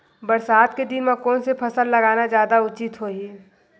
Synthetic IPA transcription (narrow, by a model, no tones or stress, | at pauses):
bəɾsaːd̪ked̪ɪnmakonsepʰɐsəlːɐɡaːnad͡ʒjaːd̪aʊt͡ʃɪt̪ɦoːɦiː